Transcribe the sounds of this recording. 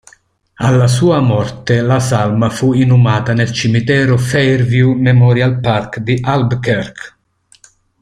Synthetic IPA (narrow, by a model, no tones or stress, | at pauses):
alːas̬uːamɔrt̪elasalmafuinumaːt̪anelt͡ʃimit̪ɛːɾofejrvjumɛmɔɾjalparkd̪iʔalbkɛrk